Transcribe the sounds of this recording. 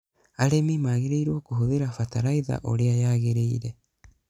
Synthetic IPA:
aɾemimaɣeɾeiɾwokoɦoðeɾafataɾaiða̰ʔo̰ɾeajaːɣeɾeiɾe

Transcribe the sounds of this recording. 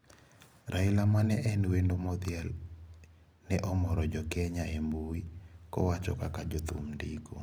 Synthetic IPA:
ɾʔaɪlamanɛʔɛnwendomɔt̪ɪɛl | nɛʔɔmɔɾɔd͡ʒɔkɛɲaemowikɔ̰wat͡ʃɔ̰kakad͡ʒɔt̪ṵmndiko

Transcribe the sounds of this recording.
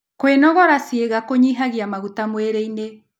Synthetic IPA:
kwenɔɣɔɾasieɣakoɲiɦaɣiamaɣutamweɾeine

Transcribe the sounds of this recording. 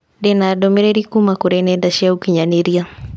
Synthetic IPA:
dɛnadɔmɛɾɛɾikumakuɾɛnɛdaʃiaukiɲaniɾia

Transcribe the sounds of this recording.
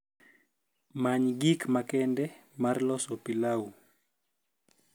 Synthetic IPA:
maɲɡikmakɛndɛmarlɔsɔpilau

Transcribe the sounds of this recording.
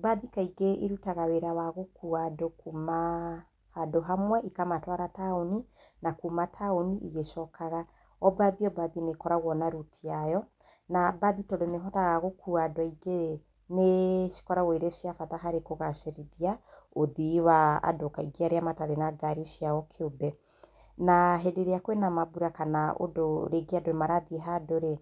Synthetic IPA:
baðikaiɡeʔiɾutaɣaweɾawaɣokuadokuma | hadoɦamwɛʔikamatwaɾataoninakumatʰaoniʔiɣeʃɔkʰaɣa | ɔbaðiɔbaðinekɔɾaɣwɔnaɾutʰiajɔ | nabaðitɔdoneɦɔtaɣaɣokuadɔiɡe | neʃi̥kɔɾawiɾeʃiafataɦaɾekoɣaʃeɾiðiaoðiwaa̰dokaiɡeaɾeamataɾenaɡaɾiʃiaɔkʰeobɛ | naɦedeɾeakwenamabuɾakanao̰doɾeɡeadoemaɾaðiɦadoɾe

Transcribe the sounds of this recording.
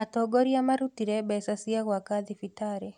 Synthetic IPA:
atɔɡɔɾiamaɾutiɾɛɓɛsasiaɣwakaðifitaɾɛ

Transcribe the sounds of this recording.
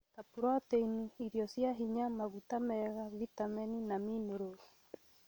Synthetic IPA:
tapuɾateiniiɾjɔsjaɦiɲamaβutamɛɣavitamɛninamineɾoɾi

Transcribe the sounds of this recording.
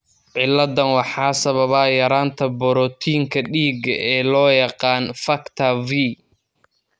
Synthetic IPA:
ʕɪlːɐðɐnwɑħɑːsɐβɐβaːjɐɾaːnt̪ʰɐbɔɾɔt̪ʰiːŋkʰɐɗiːɡɐʔɛːlɔːjɑqɑːnfɐkt̪ʰɐvi

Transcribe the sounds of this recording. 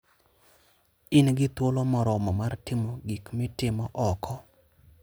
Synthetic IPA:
ɪnɡɪt̪wolomɔɾɔmɔmartɪmoɡikmɪtɪmɔʔɔkʰɔ

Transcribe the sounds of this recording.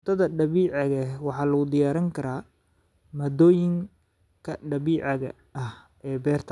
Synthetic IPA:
t̪ʰɐðɐɖɐβiːʕɑɣɐwɑħɑːlɐɣʊd̪ɪjaːɾɐŋkʰɐɾaː | mɐd̪ɔːjɪŋ | kʰɐɖɐβiːʕɑɣɐ̰ | ɐh | ʔɛːbɛːrt̪ʰɐ

